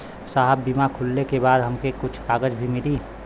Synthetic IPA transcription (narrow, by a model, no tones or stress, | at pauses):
saɦəbːimakʰʊlːekebaːd̪ɦɐmkekʊt͡ʃʰaːɡəd͡ʒbʱimɪliː